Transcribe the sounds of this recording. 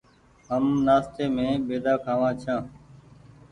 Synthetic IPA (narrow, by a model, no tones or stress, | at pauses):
ɦəmnaːst̪eːmẽːbeːd̪aːkʰaːʋãːt͡ʃʰãː